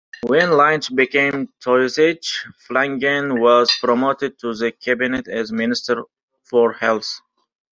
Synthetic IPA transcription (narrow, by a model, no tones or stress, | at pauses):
wɛ̃nlãjnsbikẽmtʰɔjset͡ʃflæ̃ŋɡɛ̃nwɔzpɾɔmot̪ɪd̪̚tʰuðəkʰæbinɛt̪æzmɪnɪstəɾ | fɔɹhɛlθ